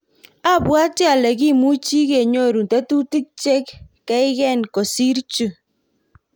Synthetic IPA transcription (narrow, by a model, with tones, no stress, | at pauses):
a˦˨bwa˦tɛ˦a˨lɛ˨ki˦mu˦t͡ʃi˦ke˨ɲo˦˨ɾu˨n˨tɛ˦tu˦ti˦k̚t͡ʃɛ˦kː | ɛ˦ɪ˦kɛ˦˨nko˨si˦ɾt͡ʃu˦˨